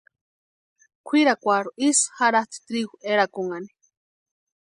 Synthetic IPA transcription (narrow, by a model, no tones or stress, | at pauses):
kʷʰiɾakʷaɾuʔishaɾat̪t̪ɾiɣueɾakuŋani̥